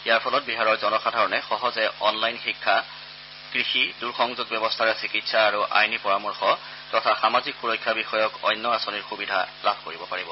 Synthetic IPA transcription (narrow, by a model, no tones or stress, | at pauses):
ijaɹpʰɔlɔt̚biɦaɹɔɹzɔnɔxadʱaɹɔnɛxɔɦɔzɛɔnlajnxikʰːa | kɹixiduɹxɔŋzut̚bɛbɔstʰaɹɛsikitsaːɹuʔa̰jnipɔɹamɔɹxɔ | tɔtʰaxamazikxuɹɔjkʰːabixɔjɔkɔjnːɔasɔniɹxubidʱa̰labʱkoɹibɔpaɹibɔ